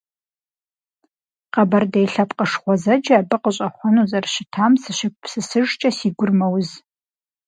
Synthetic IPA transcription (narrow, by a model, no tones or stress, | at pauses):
qɐbɐrdejɬɐpqʼəʂχʷɔzɐd͡ʒɐːbɨqəɕʼɐχʷɔnuzɐrɕɪtʰaːmsɨʃɪk̚ʷʰʼpsɨsɨʒt͡ʃʼɐsiːɡʷʊrmɐwz